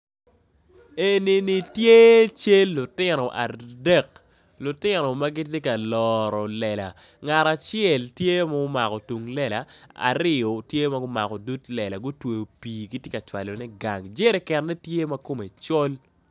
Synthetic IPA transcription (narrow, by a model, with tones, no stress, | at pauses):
e˨ni˨ni˨tje˦t͡ʃe˦lːʊ˨tɪ˦nɔ˨ʔa̰˨dɛ˦k | lʊ˨tɪ˦nɔ˨ma˦ɡɪ˦t̬je˦ka˨lɔɾɔ˨lɛ˨la̰˨ | ŋa˨ɾa˨t͡ʃjɛ˨ltje˦ma˦ʊ˦ma˨kɔ˨tu˨ŋlɛ˦la̰˨a̰˨ɾɪ˦ɔ˨tje˦ma˦ɡʊ˦ma̰˨kɔ˨du˦tlɛ˨la˨ɡʊ˦twe˨o˨piː˨ɡi˦tje˦ka˨t͡ʃwa̰˨lo˨nɛ˦ɡa̰˨ŋd͡ʒe˦ɾɛ˨kɛ˨nnɛ˦tje˦ma˦ko˦me˨t͡ʃo˦l